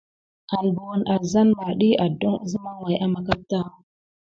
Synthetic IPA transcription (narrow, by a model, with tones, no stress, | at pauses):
a˨ndu˨wa˨nʔa˨za˦nma˨ɗi˦a˨do˦ŋ˦zi˦ma˦ŋwa˨jʔa˦ma˨ka˦p̚ta˦